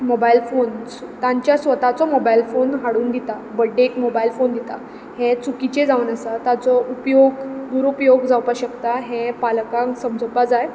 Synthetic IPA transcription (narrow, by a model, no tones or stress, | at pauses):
mobailfonst̪aɲt͡ɕjasʋət̪at͡sɔmobailfonɦaɽuːnd̪it̪a | bəɖekmobailfond̪it̪a̰ | ɦẽt͡sukit͡ɕed͡zaʋənəsat̪at͡sɔʔupjoɡd̪uɾupjoɡd͡zawpaɕəkt̪aɦẽpalkãsəmd͡zʱəpad͡zaj